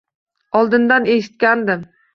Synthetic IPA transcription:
ɒlˠd̪ɪnd̪ane̞ʃɪ̥t̪̚kʲand̪ɪm

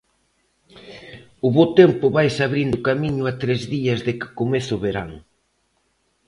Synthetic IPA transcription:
ʊβowt̪empʊβajsaβɾind̪ʊkamiɲʊat̪ɾezðiɐzðɪkɪ̥komeθʊβeɾaŋ

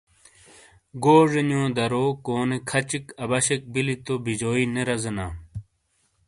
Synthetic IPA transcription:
ɡoːʐenjõːd̪ɐɾoːkoːnekʰɐt͡ɕikɐbɐɕek̚bilit̪obid͡ʑoːineɾɐzɐnaː

